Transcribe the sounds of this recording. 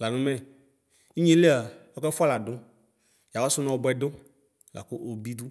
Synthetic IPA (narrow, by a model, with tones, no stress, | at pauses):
la˨nũ˦mɛ̃˨ | i˦ɲĩ˦le˦a˨wɔ˦kɛ˦fu˦a˦la˨ɖo˦ | ja˨wa˦so˦nã˦o˦bɔ˦ɛ˨ɖo˦ | la̰˨ku˦ʔo˨bi˦d̪u˦